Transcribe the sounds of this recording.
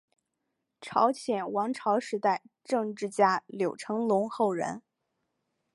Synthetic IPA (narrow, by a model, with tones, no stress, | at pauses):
ʈ͡ʂʰɑ˧˥ʊɕʰjɛ˨˩nwɑ˧˥ŋʈ͡ʂʰɑ˧˥ʊʂɻ̩˧˥t̪a˥˧ɪʈ͡ʂɤ˥˧ŋʈ͡ʂɻ̩˥˩t͡ɕja˥ljo˨˩ʊʈ͡ʂʰɤ˧˥ŋlʊ˧˥ŋxo˥˩ʊɻə̰˧˥n